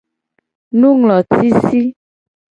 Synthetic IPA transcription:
nũ˦ŋlɔ̃˨ti˦si˦

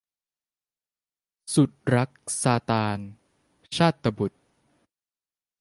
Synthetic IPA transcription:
su˨˩t̪̚ɾa˦˥k̚saː˧t̪aː˧n | t͡ɕʰaː˥˩t̪ːa˧bu˨˩t̪̚

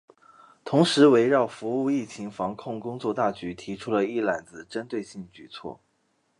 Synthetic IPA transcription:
t̪ʰʊ˧˥ŋʂɻ̩˧˥we˧˥ɪɻɑ˥˩ʊfu˧˥u˥˧i˥˩t͡ɕʰi˧˥ŋfɑ˧˥ŋkʰʊ˥˧ŋkʊ˥ŋt͡swɔ˥˧t̪a˥˩t͡ɕy˧˥t̪ʰi˧˥ʈ͡ʂʰu˥lə˨i˥˩la˨˩nd͡zɹ̩˧ʈ͡ʂə˥nt̪we˥˧ɪɕi˥˩ŋət͡ɕy˨˩t͡sʰwɔ̰˥˩

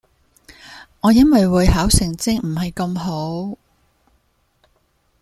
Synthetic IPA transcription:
ŋɔː˨˧˦jɐ˥nwɐ˨jwuː˨˧jɦaː˨˥wsɪ˨˩ŋt͡sɪ˥ŋm̩˨˩hɐ˨jkɐ˧mɦo˨˥w

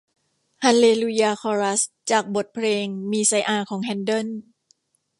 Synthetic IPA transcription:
ha˧nleː˧lu˧jaː˧kʰɔː˧ɾa˦˥s | t͡ɕaː˨˩k̚bo˨˩t̪̚pʰleː˧ŋmiː˧sa˧˥jʔaː˧˩kʰɔː˩˦ŋɦɛ˧˥ndo˥˩n

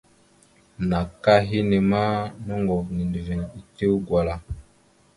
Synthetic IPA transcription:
na˨ka˦ɦi˦ni˨ma˦nɔ˦ŋɡɔ˨vni˨ndi˨ve˨ni˨te˦wɡwa˨la˨

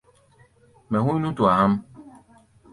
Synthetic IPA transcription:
mɛ̃˨hũ˦nũ˦tu˨a˨hã˦m

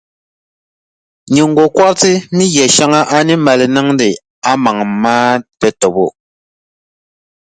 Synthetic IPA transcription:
ɲu˨ŋ̩˦ɡo˨kwa˦ɾti˦mi˦ɣjɛ˨ʃa˦ŋa˦ʔa˦ni˦ma˨le˨nɛ˦ŋn˦de˨ | a˦ma˨ŋmaː˦tɛ˦to˨bo˦˨

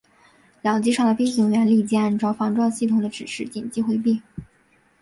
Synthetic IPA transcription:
ljɑ˨˩ʊt͡ɕi˥˧ʂɑ˥˩ŋd̪ə˩fe˥ɪɕi˧˩ŋɥɛ˧˥nli˥˧t͡ɕi˥a˥˧nʈ͡ʂɑ˥˩ʊfɑ˧˥ŋʈ͡ʂwɑ˥˧ŋɕi˥˩t̪ʰʊ˨˩ŋd̪ə˦ʈ͡ʂɻ̩˨˩ʂɻ̩˥˩t͡ɕi˨˩nt͡ɕi˥xwe˧˥ɪpi˥˩

